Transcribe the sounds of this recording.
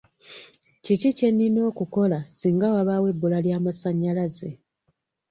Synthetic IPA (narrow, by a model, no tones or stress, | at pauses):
cicice̞nːino̞ːkuko̞lasiːŋɡawaβawe̞bːulaljaːmasaɲːalaze̞̰